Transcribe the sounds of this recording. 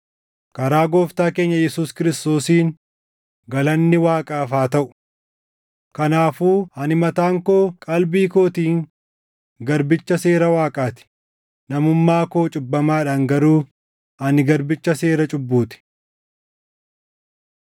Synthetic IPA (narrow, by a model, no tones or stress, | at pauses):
kɐɾaːɡo̞ːft̪aːke̞ːɲːɐjɛsuːskɪɾɪst̪o̞ːsiːŋ | ɡɐlɐnːɪwaːkʼaːfaːt̪ɐʔʊ̥ | kɐnaːfuːhɐnɪmɐt̪aːŋko̞ːkʼɐlbiːkoːt̪iːŋ | ɡɐɾbɪt͡ʃːɐse̞ːɾɐwaːkʼaːt̪ɪ̥ | nɐmʊmːaːko̞ːt͡ʃʼʊbːɐmaːᶑaːŋɡɐɾuː | ɐnɪɡɐɾbɪt͡ʃːɐse̞ːɾɐt͡ʃʼʊbːuːt̪ɪ̥